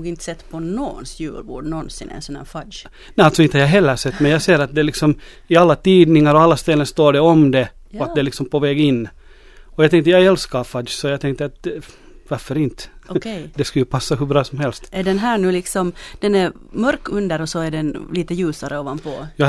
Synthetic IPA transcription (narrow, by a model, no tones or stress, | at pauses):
uːɡɪnt̪ə̥sɛt̪ːpʰɔnɔnsjʉ̰ːlʋɔ̰ɖnɔnsɪnɛ̰nsɔnhæ̰ːɾfadj | nɛalt̪sɔɪnəhajaɦɛlːəsɛt̪ːmɛnjaːɡseːɾat̪̚d̪ɛlɪksɔm | ɪalːat̪iːd̪nɪŋaɾɔalːast̪ɛlːənst̪oːɖɛɔmd̪ɛ | ɔat̪d̪ɛlɪksɔmpʰɔvɛːɡɪnː | ɔjaɡt̪ʰɛŋt̪əjaɡɛlskafad̪d͡ʒsɔjaːɡt̪ʰɛŋk̚t̪əat̪̚ | vaɾfœɾɪnt̪kd̪ɛskajəpʰasːaɦɵbɾɑːsɔmhɛlst̪ɛɖɛnɦæːɳʉ̟ːlɪksɔmd̪̥ɛnɛɾmœɾkɵnd̪əɾɔsɔæɖɛnliːt̪əjʉ̟ːsaɾəɔvanpʰɔjɑ